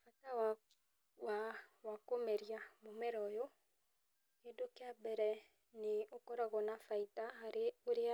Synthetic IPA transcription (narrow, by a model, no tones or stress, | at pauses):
fatawa | wawakomeɾiamomɛɾɔjɔ | kedokeabɛɾɛ | neokɔɾaɣɔnafaitahaɾeoɾea